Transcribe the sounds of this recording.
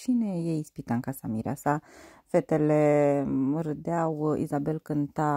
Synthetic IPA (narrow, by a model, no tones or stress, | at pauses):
t͡ʃinejejispit̪aɨŋkasamiɾea̰sa | fe̞t̪elemɨɾɨd̪eawḭzabe̞lkɨnt̪a